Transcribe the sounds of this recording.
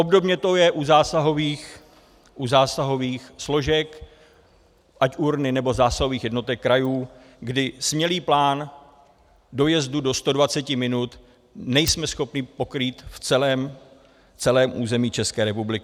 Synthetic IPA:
ʔobdo̞bɲɛt̪o̞jɛʔuzaːsaɦo̞viːx | ʔuzaːsaɦo̞viːxslo̞ʒɛk | ʔacʔuɾnɪnɛbo̞zaːsaɦo̞viːxjɛdno̞t̪ɛkːɾajuː | ɡdɪsmɲɛliːplaːn | do̞jɛzdudo̞st̪o̞dvat͡sɛcɪmɪnut̪ | nɛjsmɛsxo̞pɲɪpo̞kɾiːt̪ft͡sɛlɛːm | t͡sɛlɛːmʔuːzɛmiːt͡ʃɛskɛːɾɛpublɪkɪ

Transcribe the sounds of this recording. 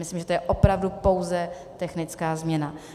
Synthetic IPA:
mɪslimʒɛt̪ojɛʔopɾavdupo̞wzɛ | t̪ɛxnɪt͡skaːzmɲɛna

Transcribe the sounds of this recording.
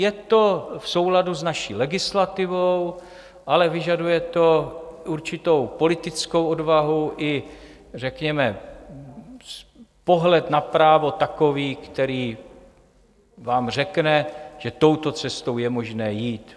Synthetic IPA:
jɛt̪ofso̞wladuznaʃiːlɛɡɪslat̪ɪvow | ʔalɛvɪʒadujɛt̪o̞ʔuɾt͡ʃɪt̪o̞wpo̞lɪt̪ɪt͡sko̞wodvaɦuʔɪ | rɛkɲɛmɛ | spoɦlɛt̪napɾaːvo̞t̪ako̞viːkt̪ɛɾiː | vaːmr̝ɛknɛʒ̥ɛt̪o̞wt̪o̞t͡sɛst̪owjɛmo̞ʒnɛːjiːt̪

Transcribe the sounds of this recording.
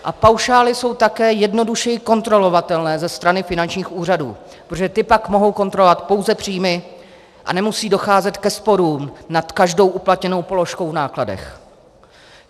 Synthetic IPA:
ʔapawʃaːlɪso̞wt̪akɛːjɛdno̞duʃɛjɪko̞nt̪ɾo̞lo̞vat̪ɛlnɛːzɛst̪ɾanɪfɪnant͡ʃɲiːxʔuːr̝adṵː | pɾot̪oʒɛt̪ɪpakmo̞ɦo̞wko̞nt̪ɾolovat̪po̞wzɛpr̥iːmɪ | ʔa̰nɛmusiːdo̞xaːzɛt̪kɛspo̞ɾuːmnat̪kaʒdo̞wʔuplat̪ɲɛno̞wpo̞lo̞ʃko̞wnaːkladɛ̰x

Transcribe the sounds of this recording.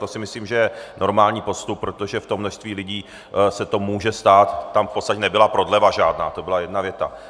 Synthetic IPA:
t̪o̞sɪmɪsliːmʒɛjɛnʔo̞ɾmaːlɲiːpo̞st̪up̚ːɾo̞t̪o̞ʒɛft̪omːno̞ʃst̪viːlɪɟiː | sɛt̪omuːʒɛst̪aːt̪ːamfpo̞tst̪acɛnɛbɪlapɾo̞dlɛvaʒaːdna̰ːt̪o̞bɪlajɛdnavjɛt̪a̰

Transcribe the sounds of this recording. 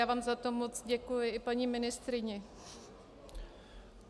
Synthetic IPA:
aːvaːmzat̪omot͡sɟɛkujɪʔɪpaɲiːmɪnɪst̪ɾɪɲɛ

